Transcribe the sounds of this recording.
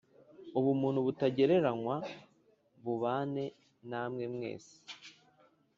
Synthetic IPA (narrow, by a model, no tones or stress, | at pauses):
uβumuːn̥huβutaɟe̞ɾe̞ɾaŋwa | βuβaːne̞ | naːmŋe̞mŋe̞̰ːsi̥